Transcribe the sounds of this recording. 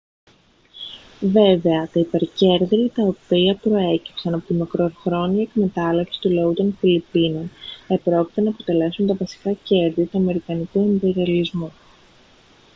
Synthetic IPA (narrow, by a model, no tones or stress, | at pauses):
ve̞ve̞ɐt̪ɐipe̞ɾce̞ɾðɾiɐt̪ɐo̞piɐpɾo̞e̞ci̥psɐnɐpo̞t̪imɐkɾo̞ɾxɾo̞niɐekme̞t̪ɐlepsi̥st̪ulɐut̪o̞nfilipino̞nepɾo̞ci̥t̪enɐːpo̞t̪e̞le̞sunt̪ɐvɐsi̥kɐce̞ɾðiɐt̪uɐme̞ɾikɐnikue̞mbe̞ɾiɐlizmu